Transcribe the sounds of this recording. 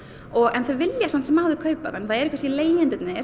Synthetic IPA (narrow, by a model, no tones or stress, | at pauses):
ɔɣɛnθœvɪljasant̪sɛmaːðʏkʰœːɥpa̰ðɛnθaðɛɾikvasileːjjɪnt̪ɪt̪nɪ